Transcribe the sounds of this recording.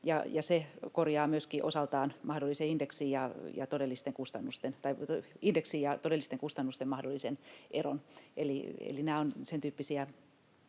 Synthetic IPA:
jɑ̰jɑsekorjɑːmyøskiʔosɑlt̪ɑːnmɑhdolːˑiseindeksiːjɑjɑ̰t̪odelːist̪eŋkust̪ɑnːust̪ent̪ɑiindeksiːjɑt̪odelːist̪eŋkust̪ɑnːust̪emɑhdolːˑisenʔero̰nʔeliḛlinæːonsent̪yːpːisiæ

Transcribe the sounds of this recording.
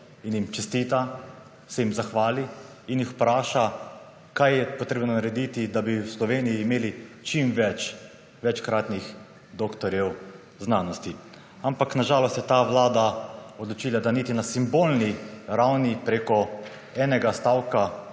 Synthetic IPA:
injimt͡ʃɛst̪it̪a | sɛjimzaxʋaːli | injixpɾaːʃa | kajjɛpɔt̪ɾeːbnɔnaɾɛd̪it̪id̪abiwslɔʋeːnijiːmeːlit͡ʃimʋɛt͡ʃ | ʋɛt͡ʃkɾaːt̪nix | d̪oːkt̪ɔɾjɛw | znaːnɔst̪i | ampaknaʒaːlɔst̪jɛt̪aʋlaːd̪aɔd̪lɔt͡ʃiːlad̪anit̪inasimboːlniɾawnipɾeːkɔ | ɛːnɛɡast̪awka

